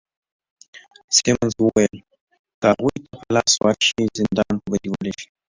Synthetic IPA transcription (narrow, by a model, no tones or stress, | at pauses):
semanzwəwajəl | kəhaɣujt̪ʰapəlɑswɑɾʃizɪnd̪ɑnpəbad̪iwəleʃi̥